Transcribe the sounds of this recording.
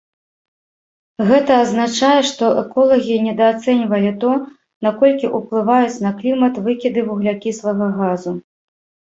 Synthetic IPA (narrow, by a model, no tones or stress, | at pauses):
ɣɛt̪ɐːznat͡ʂajɛʂt̪ɔʔɛkɔlˠɐɣʲinʲɛd̪ɐːt̪sɛnʲvɐlʲit̪ɔ | nakɔlʲkʲiʔuplˠɨvajut͡sʲnɐklʲimɐt̪vɨkʲid̪ɨvuɣlʲakʲisvɐɣɐɣazu